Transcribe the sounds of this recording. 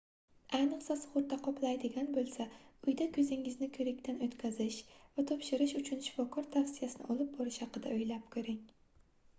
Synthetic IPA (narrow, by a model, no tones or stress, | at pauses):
ajnɨqsasχʊɾt̪ːaqʰɒpʰlˠajd̪ɪɡʲanbolˠsaʊjd̪akʲʰɵzɪŋɪznɪkʰɵɾɪkʲt̪ʰanɵt̪kʲʰazɪʃvat̪ʰɒpʃɪɾɪʃʊt͡ʃʰʊnʃɪ̥fɒkʰɒɾt̪ʰafsijasɪnɪ̰ʔɒlˠɪp̚bɒɾɪʃhɑqɨd̪aɵjlap̚kʲʰɵɾɪŋ